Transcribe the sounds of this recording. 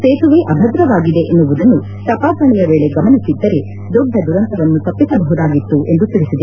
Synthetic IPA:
seːt̪uʋeʔɐbʱɐd̪ɾɐʋaːɡid̪e̞ʔenːuʋud̪ɐnːu | t̪ɐpaːsɐɳijɐʋeːɭe̞ɡɐmɐnisid̪ːɐɾe̞ | d̪ɔɖʱːɐd̪uɾɐnt̪ɐʋɐnːut̪ɐpːisɐbɐɦud̪aːɡit̪ːuʔe̞nd̪ut̪iɭisid̪e

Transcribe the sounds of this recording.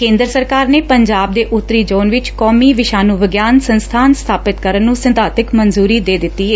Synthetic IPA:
kẽːnd̪ɾəsəɾkaːɾneːpəɲd͡ʒaːb̚d̪eːʔʊt̪ːɾiːd͡ʒoːnʋɪt͡ʃkɔːmiːʋɪʃaːnũːʋɪɡjaːnsənst̪ʰaːnst̪ʰaːpɪt̪kəɾənːũːsənt̪aːt̪ɪkmənzuːɾiːd̪eːd̪ɪt̪ːiːeː

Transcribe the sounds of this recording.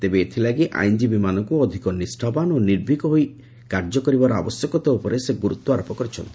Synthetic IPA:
t̪ebeːt̪ʰilaɡiʔa̰jnd͡ʒibimanɔŋkuɔd̪ʱikɔnisʈʰɔbanoniɾbʱikɔɦoj | kaɾd͡ʒɔkɔɾibaɾɔa̰bɔsjɔkɔt̪eopɔɾeseɡuɾut̪wɔaɾɔpɔkɔɾit͡ʃʰɔnt̪ʰi̥

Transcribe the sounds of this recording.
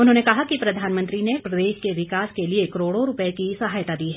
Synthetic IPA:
ʊnɦõːnekɐɦakipɾɐd̪ʱaːnmə̃nt̪ɾinepɾɐd̪eːʃkeʋɪkaːskeliekɐɾoːɽoɾʊpəekisɐɦaːjt̪ad̪iːɦɛ

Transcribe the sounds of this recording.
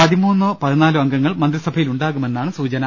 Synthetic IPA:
pɐðimuːnːopɐðinaːluʋɐŋɡɐŋːɐɭmɐnd̪risɐbʱɐjiluɳɖaːɣume̞nːaːɳɨsuːt͡ɕɐnɐ

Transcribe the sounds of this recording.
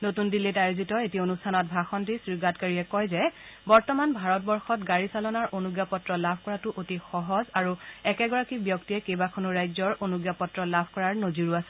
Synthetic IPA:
notundilitajuzitɔetionustʰanɔt̚bʱaxɔndisɹiɡatkaɹiɛkɔjzɛbɔɹtɔmanbʱaɹɔt̚bɔɹxɔtɡaɹisalɔnaɹʔonuɡjapɔtɹɔlabʱkɔɹatʊʔotixɔɦɔzaɹuɛkɛɡɔɹakibjɔktijɛkebakʰɔnuɹajzɔɹʔonuɡjapɔtɹɔlabʱkɔɹaɹnoziɹuasɛ̥

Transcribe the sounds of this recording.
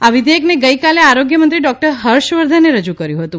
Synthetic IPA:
aʋid̪ʱeəkneɡəjkaleaɾoɡjəmənt̪ɾiɖɔk̚ʈəɾɦəɾʃʋəɾd̪ʱaneɾəd͡ʒukəɾjũɦət̪ũ

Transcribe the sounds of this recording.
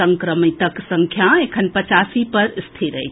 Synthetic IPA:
əŋkɾəmit̪əksəŋkʰjaekʰənpət͡ʃasipəɾst̪ʰiɾə̰jt͡ʃʰ

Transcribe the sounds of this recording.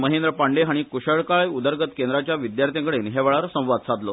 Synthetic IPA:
məɦend̪ɾəpaɳɖeɦaɽ̃ikuɕəɭkaɭjud̪əɾɡət̪kend̪ɾat͡ɕjaʋid̪jaɾt̪ʰẽŋkəɽeːnɦeʋəɭaɾsə̃w̃ʋad̪sad̪lo

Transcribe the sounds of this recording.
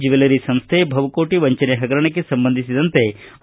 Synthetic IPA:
d͡ʒiʋelɐɾisɐmst̪ʰebʱɐʋɐkoːʈiʋɐɲt͡ʃɐneɦɐɡɐɾɐɳɐk̬ːesɐmbɐnd̪ʱisid̪ɐnt̪e̞

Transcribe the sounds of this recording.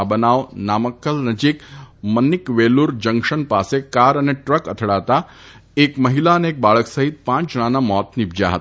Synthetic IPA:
bənaʋnaməkːəlnəd͡ʒikmənːikʋeluɾd͡ʒəŋɡʃənpasekaɾəneʈɾəkət̪ʰɽat̪a | ekməɦilaəneːk̚baɭəksəɦit̪̚pãt͡ʃɽ̃ãnamɔt̪nibd͡ʒa̰ɦə̰t̪

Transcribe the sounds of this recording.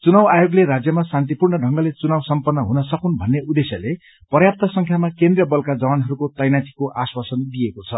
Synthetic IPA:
t͡sunawajoɡleɾad͡zjʌmasant̪ipurnʌɖʱʌŋɡʌlet͡sunawsʌmpʌnːʌɦunʌsʌkunbʱʌnːeud̪esjʌle | pʌrjap̚t̪ʌsʌŋkʰjamakend̪rijʌbʌlkad͡zʌwanɦʌɾukot̪ʌjnat̪ʰi̥koʔaswasʌnd̪ijekot͡sʰʌ

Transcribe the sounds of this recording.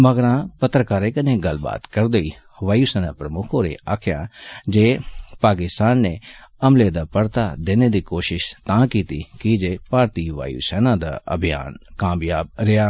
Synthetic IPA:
məɡɾãːpət̪ɾəkaːɾekɐneːɡəlba̰ːt̪kəɾd̪əiː | ʋaːjuːsɛːnãːpɾəmʊkʰõːɾḛaːkʰja̰ːd͡ʒeːpaːkɪst̪aːnːeːəmleːd̪aːpəɾt̪ad̪eːned̪iːkoːʃɪʃt̪ãːkiːt̪iːkɪd͡ʒeːpaːɾt̪iːʋa̰ːjṵːsɛːnãːd̪a̰ːə̰bʱɪja̰ːnkaːmjaːb̚ɾɪaː

